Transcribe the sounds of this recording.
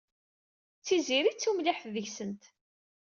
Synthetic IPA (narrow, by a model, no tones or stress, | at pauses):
t͡sːiziɾit͡sːumlɪħfðəçsənt̪